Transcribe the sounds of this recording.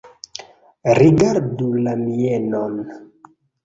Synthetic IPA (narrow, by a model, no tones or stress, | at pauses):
ɾiɡaɾdulamienon